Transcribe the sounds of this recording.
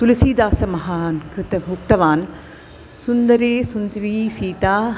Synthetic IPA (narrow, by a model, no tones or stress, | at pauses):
t̪ulisiːd̪aːsɐmɐɦaːnkɾɪt̪ɐbʱuk̚t̪ɐʋaːn | sund̪ɐɾeːsund̪ɾiːsiːt̪aː